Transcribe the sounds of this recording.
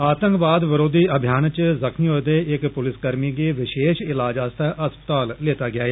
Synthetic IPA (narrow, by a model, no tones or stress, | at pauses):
aːt̪ə̃ŋkʋaːd̪ʋəɾoːd̪iːəbʱjaːnt͡ʃzəkʰniːod̪eːɪkpʊlɪskəɾmiːɡeːʋɪʃeːʃɪlaːd͡ʒaːst̪ʰaʔəspət̪aːlleːt̪aːɡɪaːeː